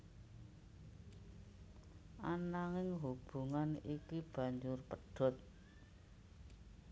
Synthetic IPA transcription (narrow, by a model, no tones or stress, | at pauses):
ʔanaŋɪŋɦub̥ṳŋanikib̥ä̤ɲd͡ʒʊrpəɖ̥ɔ̤t̪̚